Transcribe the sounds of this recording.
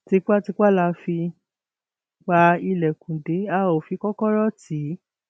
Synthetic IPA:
ti˧k͡pa˦ti˧k͡pa˦˨la˧fi˧ | k͡pa˧i˧˨lɛ˨kũ˨de˨˦a˦˨o˨fi˧kɔ˦kɔ˦ɾɔ˦ti˨˦

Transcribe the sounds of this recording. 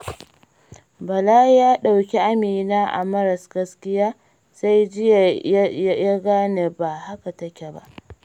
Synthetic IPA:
bɐ˨laː˦jaː˦ɗa˨wkʲi˦ʔa˦miː˨naː˦ʔa̰˨mɐ˦ɾɐ˨sɡɐ˦skʲɪ˦jaː˦ | sa˦jd͡ʒɪ˦˨ja˦ja˦ɡaː˦ne˨ba˨ha˦ka˨tɐ˦kʲe˨ba̰˦ʔ

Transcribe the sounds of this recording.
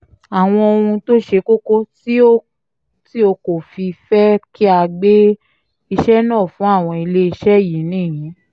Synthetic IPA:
a˨w̃ɔ̃˧o˧ũ˧to˦ʃe˧˦ko˦ko˦ti˦o˦ | ti˦o˧ko˨fi˧fɛ˦ki˦a˧ɡ͡be˦ | i˧ʃɛ˦nãː˦˨fũ˨˦a˦˨w̃ɔ̃˧i˧le˦i˧ʃɛ˦˨ji˨˦nĩː˦˨j̃ĩ˨˦

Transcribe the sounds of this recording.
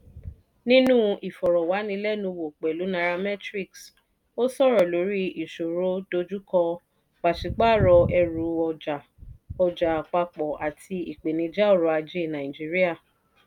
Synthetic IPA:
nĩ˦nũ˦ʔi˨fɔ˨ɾɔ˨wa˨˦nĩ˧˦lɛ˦˨nũ˧wo˨k͡pɛ˨lu˨˦nã˧ɾa˧mɛ˦tɾi˦˨ks | o˦sɔ˦˨ɾɔ˨lo˨˦ɾi˦i˨ʃo˨ɾo˦do˧d͡ʒu˦kɔ˧ | k͡pa˨ʃi˨k͡pa˦˨ɾɔ˧ɛ˧ɾu˨˧˦ɔ˧d͡ʒa˨ | ɔ˧d͡ʒa˨k͡pa˧k͡pɔ˨a˨tʰi˧i˨k͡pe˨nĩ˧d͡ʒa˦o˦˨ɾo˧˦a˧d͡ʒe˦˨nã˨ĩ˨d͡ʒi˦ɾi˦a˦˨

